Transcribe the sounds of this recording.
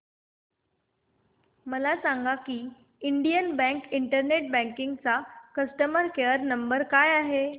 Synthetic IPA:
məlasaŋɡakiː | iɳɖijənbæ̃ŋkiɳʈəɾneʈ̚bæ̃ŋkiŋɡt͡sakəsʈəməɾkeəɾnəmbəɾkajaɦe

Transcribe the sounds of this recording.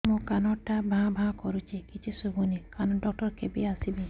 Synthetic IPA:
mũkanɔɾʈabʱãbʱãkɔɾut͡ʃʰikit͡ʃʰusubunikanɔɖɔk̚ʈɔɾkebiasibi

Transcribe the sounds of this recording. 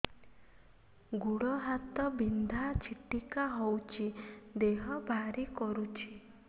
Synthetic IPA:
ɡuɽɔɦat̪ɔbind̪ʱat͡ʃʰiʈikaɦowt͡ʃʰid̪eɦɔbʱaɾikɔɾut͡ʃʰi

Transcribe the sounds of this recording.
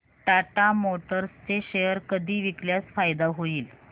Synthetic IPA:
ʈaʈamoʈəɾst͡seɕejəɾkəd̪ʱiːʋikljasfajd̪aɦoiːl

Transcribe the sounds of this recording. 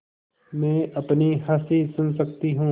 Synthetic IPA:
mɛ̃ːʔɐpniɦasisʊnsɐk̚t̪iɦũː

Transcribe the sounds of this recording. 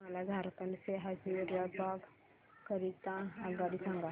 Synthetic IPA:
alaɡʱaɾkənseɦad͡ʑiɾabʱaɡ | kəɾit̪ãaɡaɾisãŋɡa

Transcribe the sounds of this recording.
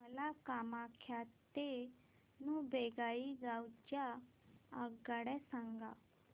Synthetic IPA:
məlakamakʰjat̪ːe | nũbeɡajid͡zawt͡ɕja | əɡaɽɛsãŋɡa

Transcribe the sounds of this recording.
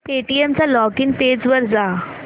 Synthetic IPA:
peʈiemt͡salɔkiŋped͡zʋəɾd͡za

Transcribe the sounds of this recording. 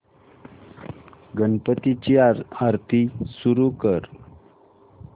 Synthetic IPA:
ɡənpət̪it͡ɕiaɾt̪ʰisuɾukəɾ

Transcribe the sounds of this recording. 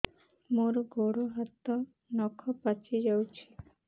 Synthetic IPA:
moɾɡoɽoɦat̪ɔ | nɔkʰɔpat͡ʃʰid͡ʒawt͡ʃʰi̥

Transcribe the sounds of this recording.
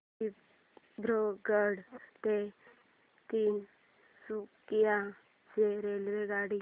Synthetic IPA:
i | bʱɾoɡəɽt̪e | t̪iːn | sukja | seɾelʋeɡaɽi

